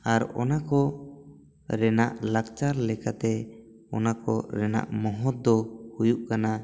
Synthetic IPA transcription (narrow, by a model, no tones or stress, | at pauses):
aɾɔ̰nakɔ | ɾɛnaʔlakt͡ʃaɾlɛkat̪ɛ | ɔnakɔɾɛna̰ʔmɔɦɔt̪̚d̪ɔhujuʔkana